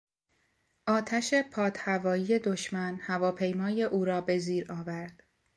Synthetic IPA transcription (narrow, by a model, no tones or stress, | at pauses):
ʔɒːt̪ʰæʃe̞pʰɒːt̪ʰhævɒːjije̞d̪o̞ʃmænhævɒːpʰe̞jmɒːje̞ʔuːɾɒːbe̞ziːɾɒːvæɾd̪̥